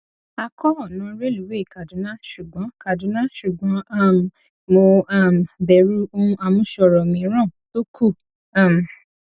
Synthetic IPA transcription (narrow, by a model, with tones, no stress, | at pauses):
a˧kʰɔ˦ɔ˦˨nã˨˦ɾe˦lu˨˦we˦i˨ka˨dũ˨˦nã˦ʃu˨ɡɔ̃˨˦ka˨dũ˨˦nã˦ʃu˨ɡɔ̃˨˦a˦˨m˨ | mo˧a˦˨m˨bɛ˨˧ɾu˦õ˦a˧mũ˦ʃɔ˧˨ɾɔ˨mĩ˨˦ɾ̃ã˦˨to˦kʰu˦˨ | a˦˨m˨